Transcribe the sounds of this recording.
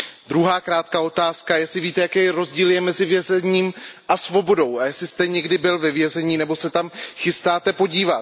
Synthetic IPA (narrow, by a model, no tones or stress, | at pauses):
d̪ɾuɦaːkɾaːt̪kao̞t̪aːskajɛsɪviːt̪ɛjakɛjɾo̞zɟiːljɛmɛzɪvjɛzɛɲiːmʔasvo̞bo̞do̞wajɛsɪst̪ɛɲɛɡdɪbɪlvɛvjɛzɛɲiːnɛbo̞sɛt̪amxɪst̪aːt̪ɛpo̞ɟiːvat̪